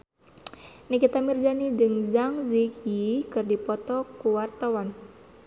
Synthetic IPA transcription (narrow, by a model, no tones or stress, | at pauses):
nikit̪amird͡ʒanid͡ʒɨŋzaŋzikjikɨrdipɔt̪ɔkuwart̪awan